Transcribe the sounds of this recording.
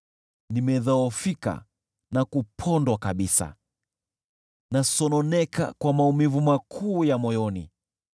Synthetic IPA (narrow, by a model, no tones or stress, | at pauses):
nimɛðaɔfika̰ | nakupʰɔndwakaɓisa̰ | nasɔnɔnɛka̰kwamaumivumakʰuːjamɔjɔnḭ